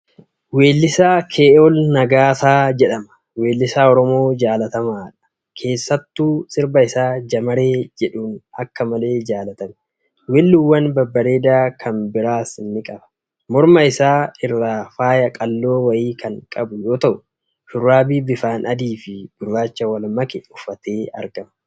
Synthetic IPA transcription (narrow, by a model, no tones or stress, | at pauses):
we̞ːlːɪsaːkʰeːɔlnɐɡaːsaːd͡ʒɛᶑɐmɐ̥ | we̞ːlːɪsaːɔɾɔmo̞ːd͡ʒaːlɐt̪ɐmaːᶑɐ̥ | kʰe̞ːsːɐt̪ːuːsɪɾbɐɪsaːd͡ʒɐmɐɾe̞ːd͡ʒɛᶑuːnɐ̰kːɐmɐle̞ːd͡ʒaːlɐt̪ɐmɛ̥ | wɛlːuːwːɐnbɐbːɐɾe̞ːd̪aːkʰɐnbɪɾaːsɪnːɪkʼɐbɐ̥ | mɔɾmɐɪsaːɪrːaːfaːjɐkʼɐlːo̞ːwɐʔiːkʰɐŋkʼɐbʊjo̞ːt̪ɐʔʊ | fʊrːaːbiːbɪfaːnɐd̪iːfɪb̥ʊɾːaːt͡ʃːɐwɐlmɐkɛʊfːɐt̪e̞ːɐ̰ɾɡɐmɐ